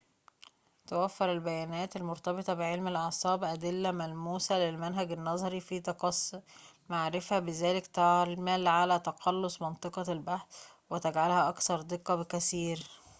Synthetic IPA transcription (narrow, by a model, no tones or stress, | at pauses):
t̪æwæfːeɾelbæjæːnæːt̪ælmoɾt̪ɑbet̪ˤɑbɪʕelmælʔɑʕsˤɑːbʔæd̪ɪlːæmælmuːsælelmænɦæɡænːɑzˤɑɾifit̪ɑqɑsˤːmaʕɾɪfæbɪzæːlɪkt̪ɑʕlmæːlʕalæt̪ɑqɑlːosˤmɑnt̪ˤɨqɑlbaħθ | wɪt̪æɡʕalhæʔɑkθɑɾˤd̪ɨqːɑbɪkæsiːɾ